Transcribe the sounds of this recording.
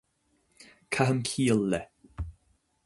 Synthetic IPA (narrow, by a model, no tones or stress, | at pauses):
kʰaɦəmkʰiːəlːɛ